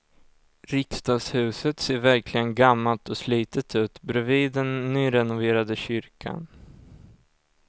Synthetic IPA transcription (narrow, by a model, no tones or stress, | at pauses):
ɾɪkst̪ɑːɡshʉ̟ːsət̪seːɾvæɾkʰlɪɡənɡamːalt̪ɔsliːt̪ət̪ʰʉ̟ːt̪bɾɵviːd̪ɛnːyːɾɛnʊveːɾad̪əɕʏɾkʰa̰n